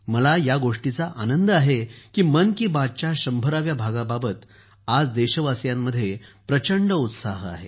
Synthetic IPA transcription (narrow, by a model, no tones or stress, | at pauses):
məlajaɡoʂʈit͡saʔanənd̪əaɦekiːmənkiːbad̚t͡ɕjaɕəmbʱəɾaʋjabʱaɡababət̪ | ad͡zd̪eɕəʋasjamːəd̪ʱːjepɾət͡ɕəɳɖəut̪saɦa̰ɦe